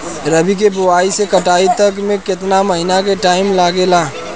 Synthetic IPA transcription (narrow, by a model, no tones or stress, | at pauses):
ɾəbʱik̬ebʊaːisekəʈaːit̪əkmẽkɪt̪naməɦinak̬eʈaːɪmlaːɡela